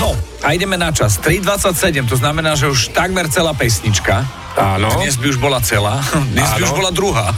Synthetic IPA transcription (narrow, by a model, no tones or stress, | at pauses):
ɦɔ | ajɟɛmɛnat͡ʃast̪ɾid̪ʋat͡sːacsɛɟɛmt̪ɔznamɛnaːʒɛuʃt̪aɡmɛɾt͡sɛlaːpɛsɲit͡ʃka | ʔaːnɔd̪ɲɛzbiuʒbɔlat͡sɛlaːd̪ɲɛzbiuʒbɔlad̪ɾuɦaː